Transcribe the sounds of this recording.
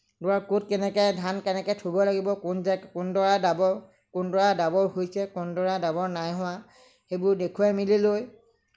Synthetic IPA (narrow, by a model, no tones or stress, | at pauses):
dɔaɹkut̚kɛnɛkɛjdʱankɛnɛkɛjtʰobɔlaɡibɔknzkʊndɔɹadabɔ | kʊndɔɹadabɔwhojsɛkʊndɔɹadabɔɹnajɦʊ̃wa | xejbʊɹdekʰuamililoj